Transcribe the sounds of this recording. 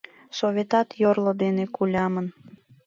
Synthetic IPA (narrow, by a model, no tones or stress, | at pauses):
sovʲet̪ɑt̪jorlŏd̪enekulʲɑmən